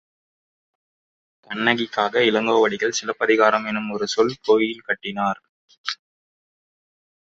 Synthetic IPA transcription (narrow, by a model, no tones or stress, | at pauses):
kɐɳːɐɣɪkːaːɣɐɪlɐŋɡoːʋɐɽɪɣɐɭsɪlɐpːɐðɪɣaːɾɐmɛnːɯmɔɾɯsɔlkoːjɪlkɐʈːɪnaːɾ